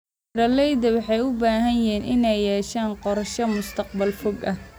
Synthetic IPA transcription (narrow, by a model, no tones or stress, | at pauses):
ɾɐlɛjd̪ɐwɑħɑjʊbaːɦɐnjɛːnʔɪnɛjːɛːʃaːnqɔɾʃɐmʊst̪ʰɐq̚bɐlfɔɡɐh